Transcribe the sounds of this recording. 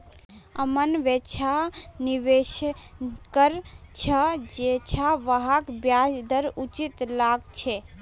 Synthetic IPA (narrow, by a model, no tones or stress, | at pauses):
əmənʋet͡ʃʰaniʋeʃ | kəɾt͡ʃʰəd͡ʒet͡ʃʰaʋəɦakbjaːd͡ʒd̪əɾut͡ʃit̪laːɡt͡ʃʰe